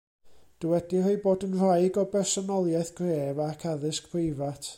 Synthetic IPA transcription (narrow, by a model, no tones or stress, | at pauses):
d̥əwɛdirejboːdənr̥ajɡɔbɛrsɔnɔlˠjɛθɡ̥reːvakʰaðɪskpʰrɪjvatʰ